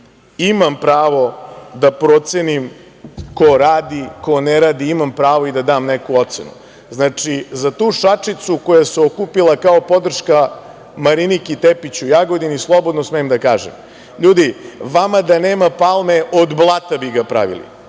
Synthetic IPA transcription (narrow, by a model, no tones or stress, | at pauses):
imampɾaːʋo̞d̪apɾot̪senim | koɾaːd̪iko̞neɾaːd̪iimampɾaːʋo̞id̪ad̪aːmnekuo̞t̪senṵ | znaːt͡ʂizat̪uːʃat͡ʂit̪suko̞jaseokupilˠakao̞po̞d̪r̩ʃka | maɾinikit̪epit͡ɕujaːɡod̪inislˠo̞bo̞d̪nosmejemd̪akaːʒḛm | ʎuːd̪iʋamad̪aneːmapalˠmeʔod̪blˠaːt̪abiɡapɾa̰ʋḭlḭ